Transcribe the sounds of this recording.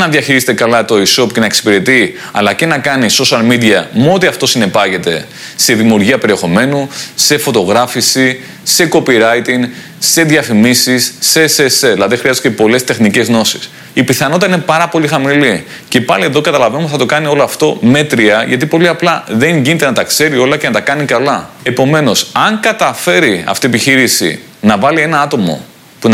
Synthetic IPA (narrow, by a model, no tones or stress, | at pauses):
nɐðjɐçiɾizet̪ekɐlɐt̪o̞iso̞pce̞nɐeksi̥peɾet̪i | ɐ̰lɐce̞nɐkɐniso̞sɐlmid̪iɐmot̪iɐft̪o̞sine̞pɐʝe̞t̪e̞ | se̞ðimiuɾʝiɐpe̞ɾie̞xo̞me̞nuse̞fo̞t̪o̞ɣɾɐfisi | se̞ko̞piɾɐjt̪iŋ | se̞ðʝɐfimisisːeseselɐðexɾiɐzt̪cepo̞lest̪e̞xnicezno̞si̥s | ipiθɐnot̪t̪ɐine̞pɐɾɐpo̞lixɐmili | ce̞pɐlie̞ðo̞kɐt̪ɐlɐvenumpsθɐt̪o̞kɐnio̞loɐft̪o̞me̞t̪ɾiɐʝɐt̪ipo̞liɐplɐðe̞ɲʝinit̪e̞nɐt̪ɐkse̞ɾio̞lɐce̞nɐt̪ɐkɐnikɐlɐe̞po̞me̞no̞sɐŋkɐt̪ɐfe̞ɾiɐ̰ft̪iepiçiɾisḭ | nɐvɐlie̞nɐɐt̪o̞mo̞̰ | pun